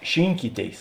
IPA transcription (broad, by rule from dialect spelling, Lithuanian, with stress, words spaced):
ˈʃʲɪŋʲkʲiːˌtʲeːɪs